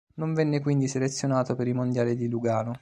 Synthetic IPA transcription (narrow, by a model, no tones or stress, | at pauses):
noɱvɛnːekwind̪iselet̪sːjonaːt̪opeɾimond̪jaːlid̪iluɡaːno